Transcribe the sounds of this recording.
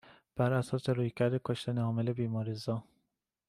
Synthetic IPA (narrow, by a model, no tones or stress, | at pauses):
b̥æɾæsɒːseɾuːjcʰæɾd̪ekʰoʃt̪ænehɒːmele̞biːmɒːɾizɒː